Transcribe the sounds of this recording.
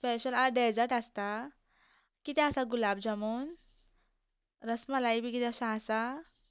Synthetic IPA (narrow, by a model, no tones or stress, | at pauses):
speɕəlaɖɛd͡zəɾʈast̪a | kit̪ɛasaɡulabd͡zəmun | ɾəsmalaibikit̪ɛəsãasa